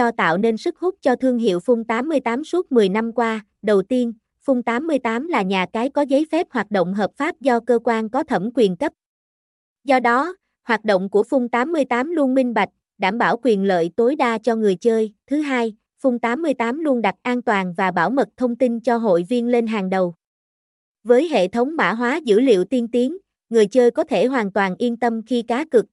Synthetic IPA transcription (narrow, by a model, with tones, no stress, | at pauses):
ɔ˧t̪a̰ː˧˨wne˧nsɨ˦˥k̚hʊ˦˥k͡p̚t͡ɕɔ˧t̪ʰɨ˧əŋɦḭ˧˨əwfʊ˧ŋ͡mt̪aː˨˦mːɨ˧əjt̪aː˨˦msu˦˥t̚mɨ˨˩əjna˧mkwaː˧ | ɗə˨˩wt̪i˧ən | fʊ˧wŋ͡mt̪aː˨˦mːɨ˧əjt̪aː˨˦mlaː˨˩ɲaː˨˩kaː˨˦jkɔ˨˦zə˨˦jfɛ˦˥p̚hwaː˨˩t̚ɗo̰˧˨ŋ͡mɦəː˨˩p̚faː˦˥p̚zɔ˧kəː˧kwaː˧nkɔ˨˦t̪ʰə˧˩mkwi˨˩ənkə˦˥p̚ | zɔ˧ɗɔ˨˦ | hwaː˨˩t̚ɗo̰˧˨ŋ͡mku˧˩əfʊ˧wŋ͡mt̪aː˨˦mːɨ˧əjt̪aː˨˦mlu˧ənmï˧ŋ̟ɓa˨˩jk̟̚ | ɗaː˧˩mɓaː˧˩wkwi˨˩ənlə̰ː˧˨jt̪o˨˦jɗaː˧t͡ɕɔ˧ŋɨ˨˩əjt͡ɕəː˧jt̪ʰɨ˨˦ɦaː˧j | fʊ˧wŋ͡mt̪aː˨˦mːɨ˧əjt̪aː˨˦mlu˧ənɗa˨˩k̚ʔaː˧nt̪waː˨˩nvaː˨˩ɓaː˧˩wmə˨˩t̚t̪ʰə˧wŋ͡mt̪i˧nt͡ɕɔ˧ɦo̰˧˨jvi˧ənle˧nɦaː˨˩ŋɗə˨˩w | vəː˨˦jɦḛ˧˨t̪ʰə˨˦wŋ͡mma̰ː˧˩ɦwaː˨˦zɨ̰˧˥lḭ˧˨əwt̪i˧ənt̪i˨˦əŋ | ŋɨ˨˩əjt͡ɕəː˧jkɔ˨˦t̪ʰe˧˩ɦwaː˨˩nt̪waː˨˩nʔi˧ənt̪ə˧mxi˧kaː˨˦kɨ˨˩k̚